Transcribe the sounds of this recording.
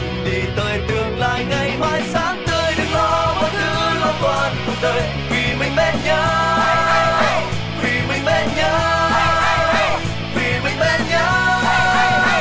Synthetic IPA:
ɗi˨˩t̪əː˨˩jt̪ɨ˨˩əŋla̰ː˧˨jŋa˧˩jhwaː˧˩jsaː˧˥ŋt̪ɨ˧əjɗɨ˧˦k̚lɔ˧˦vɔ˧˦t̪ʰɨ˧˦lɔ˧kwaː˧˩n˨˩t̪əː˨˩j | vi˨˩mï˨˩ŋ̟ɓɛ˧nɲəː˧˦ | vi˨˩mï˨˩ŋ̟ɓɛ˧nɲəː˧˦ | vi˨˩mï˨˩ŋ̟ɓɛ˧nɲəː˧˦

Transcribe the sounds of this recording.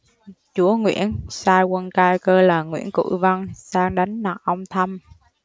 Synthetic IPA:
t͡ɕu˨˦əŋwḭ˧˨ənsaː˧jkə˧nkaː˧jkəː˧laː˨˩ŋwḭ˧˥ənkṵ˧˩˨və˧ŋsaː˧ŋɗa˨˦jŋnaː˨˩k̚ʔə˧wŋ͡mt̪ʰə˧m

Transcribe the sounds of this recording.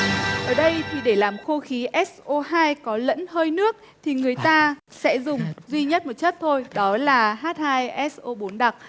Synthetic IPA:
ʔəː˧˩ɗə˧jt̪ʰi˨˩ɗe˧˩laː˨˩mxo˧xi˨˦ʔɛ˦˥sʔo˧ɦaː˧jkɔ˨˦lə̰˧˥nhəː˧jnɨ˦˥ək̚ | t̪ʰi˨˩ŋɨ˨˩əjt̪aː˧sɛ̰˧˥zʊ˨˩ŋ͡mzwi˧ɲə˦˥t̚mo˨˩t̚t͡ɕə˦˥t̚t̪ʰo˧jɗɔ˨˦laː˨˩ɦaː˦˥t̚haː˧jʔɛ˦˥sʔo˧ɓo˨˦nɗa˨˩k̚

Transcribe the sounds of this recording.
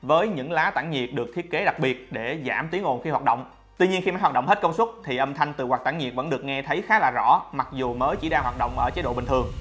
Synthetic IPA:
vəː˨˦jɲɨ̰˧˥ŋlaː˨˦t̪a̰ː˧˩ŋɲi˨˩ət̚ɗɨ˨˩k̚t̪ʰi˦˥ət̚ke˨˦ɗa˨˩k̚ɓi˨˩ət̚ɗe˧˩zaː˧˩mt̪i˨˦əŋʔo˨˩nxi˧hw̚ːɗə̰˧˨wŋ͡m | t̪wi˧ɲi˧ənxi˧maː˨˦jɦw̚ːɗə˧˨wŋ͡mhe˦˥t̚kə˧wŋ͡mswə˦˥t̚t̪ʰi˨˩ʔə˧mt̪ʰa˧jŋ̟t̪ɨ̰˨˩waː˨˩t̪a̰ː˧˩ŋɲi˨˩k̚və̰˧˥nɗɨ˨˩ək̚ŋɛ˧t̪ʰə˨˦jxaː˨˦laː˨˩zɔ̰˧˥ma˨˩k̚zu˨˩məː˨˦jt͡ɕi˧˩ɗaː˧ŋhwaː˨˩t̚ɗə̰˧˨wŋ͡mʔəː˧˩t͡ɕe˨˦ɗo̰˧˨ɓï˨˩ŋ̟t̪ɨ˨˩əŋ

